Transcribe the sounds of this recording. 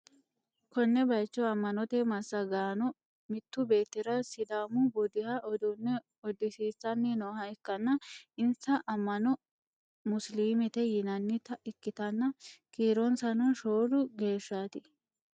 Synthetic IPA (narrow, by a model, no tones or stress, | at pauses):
kɔnːɛbɐjt͡ʃːɔɐmːɐnɔt̪ɛmɐsːɐɡaːnɔ | mɪt̪ːʊbe̞ːt̪ːɪɾɐsɪd̪aːmʊbɔd̪ɪhɐʔɔd̪ʊnːɛ | ɔd̪ɪsiːt͡sːɐnːɪnoːhɐɪkːɐnːɐɪnsɐʔɐmːɐnɔ | mʊsliːmɪt̪ɛjɪnɐnːɪt̪ɐʔɪkːɪt̪ɐnːɐkiːɾɔnsɐnɔʃoːdʊɡe̞ːʃːaːt̪ɪ